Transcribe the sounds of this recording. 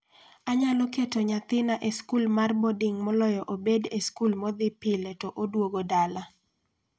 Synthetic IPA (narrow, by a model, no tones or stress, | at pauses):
aɲalɔketɔɲat̪ɪnaʔeskulmarbɔdɪŋmɔlɔjɔʔobedeskulmɔd̪ɪpɪletɔʔodwoɡodala